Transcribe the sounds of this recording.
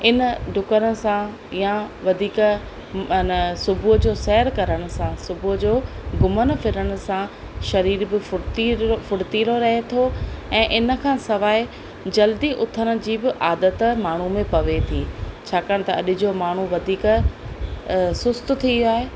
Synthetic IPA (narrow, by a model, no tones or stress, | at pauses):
ɪnəɖʱʊkəɾəsã | jãʋɐd̪ʱiːk | nsʊbʱʊd͡ʑoːsɛːɾkɐɾəɽ̃ʊ̆sãsʊbʱʊɦd͡ʑoːɡʊmənfɪɾəɽ̃ʊ̆sã | ʃɐɾiːɾbɪfʊt̪ifʊɽt̪iːɾoɾɐɦet̪ʰoɛ̃ːʔɪnə̆kʰãːsɐʋaːe | d͡ʑɐld̪iʔʊt̪ʰəɽ̃ʊ̆d͡ʑiːbɪʔaːd̪ət̪maːɳ̤umẽpɐʋet̪ʰiːt͡ɕʰaːkaːɽ̃̆t̪ɐɐɗɪd͡ʑomaːɳ̤uʋɐd̪ʱiːk | sʊst̪t̪ʰiaːɦeː